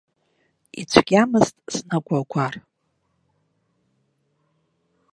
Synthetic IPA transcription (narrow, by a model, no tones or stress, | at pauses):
ḭt͡ɕʷʰɡ̥ʲamɨztʼsnaɡʷʰʼaɡʷʰar